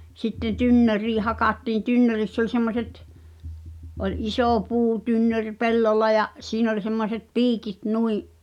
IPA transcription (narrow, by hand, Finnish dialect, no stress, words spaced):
sitːen̆ tynːøriː hɑkɑtːiːĩ tynːørisː olʲ semːoset ʔolʲ isoˑ puːtynːørʲ pelːolːɑ jɑ siːn olʲ semːoset piːkit nuiʔ